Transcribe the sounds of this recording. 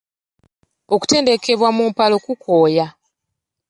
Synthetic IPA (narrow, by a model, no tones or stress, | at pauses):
o̞ku̥te̞ːnde̞ke̞βwamumpalo̞kukoːja